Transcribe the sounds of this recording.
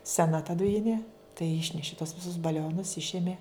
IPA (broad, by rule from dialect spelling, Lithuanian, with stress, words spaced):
sʲɛˈnɐ tɐ dʊˈjɪnʲeː tɐɪ ˈɪʃʲnʲɛʃʲɪ toːs ˈʋʲɪsʊs bɐˈlʲoːnʊs ˈɪʃʲɛmʲeː